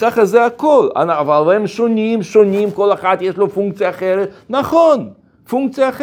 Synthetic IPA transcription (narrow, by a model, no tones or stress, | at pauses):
kaχazeakola̰navalvaemʃonimʃonimkoleχat̪jeʃlofuŋk̚t͡sijaːχeɾetnaχon | fuŋk̚t͡sjaːχ